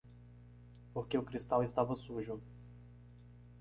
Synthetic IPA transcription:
poɾkeʊkɾist̪awɪst̪avɐsuʒʊ

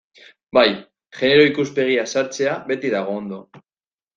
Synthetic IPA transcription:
baj | ʝe̞ne̞ɾo̞ikuspe̞ɣ̞iasaɾt͡se̞aβe̞t̪iðaɣ̞o̞ːnd̪o̞

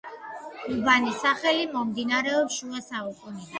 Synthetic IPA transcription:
ubanisaχɛlimɔmd̪inaɾɛɔpʃuasaukʼuni

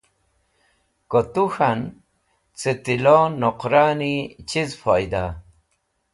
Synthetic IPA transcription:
kot̪uxan | t͡set̪ilonɔqɾanit͡ɕizfʰojd̪a

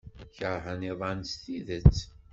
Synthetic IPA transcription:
çəɾˤɦæniðˤɑnst̪iðət͡sː

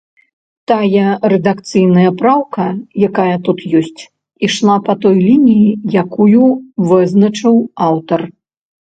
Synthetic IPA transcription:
t̪ajɐrɛd̪akt̪sɨjnɐjɐpɾawkɐjakajɐt̪ut̪jɔsʲt͡sʲ | iʂlˠapɐt̪ɔjlʲinʲijijakujuvɨznɐt͡ʂɨwawt̪ɐr

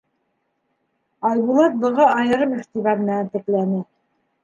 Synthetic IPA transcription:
ɑjβulˠɑt̪̚bɤ̆ʁɑɑjɤ̆ɾɤmɘ̆χt̪iβæmɘ̆nænt̪ɘ̆klænɘ

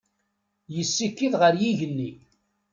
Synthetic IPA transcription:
jəsːikːiðʁəɾjiʝənːi

